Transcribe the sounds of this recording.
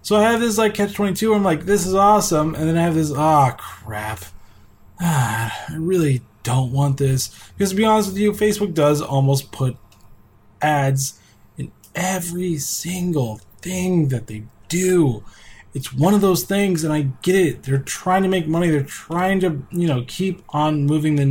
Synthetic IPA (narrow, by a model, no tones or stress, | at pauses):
soʊaɪɨvðɪs̬laɪkʰæt͡ʃtʰwɛ̃ñitʰʉãɪ̃mlaɪk̚ðɪs̬ɨzɔsə̃mɨ̰̃nðɨ̃ñaɪɨvðɪs̬ɑkʰɹ̥æp | ʌaɪɹɪlˠid̥õʊ̃nt̚wɑ̃nðɪsb̥ɪkʰʌz̥tʰəbiɑnəst̬̚wɨðjɨfeɪsb̥ʊk̚d̥ʌzɔ̰lˠmoʊspʰʊɾ | ʔædz | ɨ̃n | ʔɛvɹisɪ̃ŋɡl̩ˠθɪ̃ŋðɨt̪̚ðeɪd̥u | ɨtswʌ̃ñʌvðoʊz̥θɪ̃ŋzɨ̃naɪɡɛɾɪt̚ðə˞tʰɹ̥aɪɪ̃ŋtʰɨmeɪk̚mʌniðə˞tʰɹ̥aɪɪ̃ŋtɨjɨñoʊkʰipn̩mʉvɪ̃ŋðɨ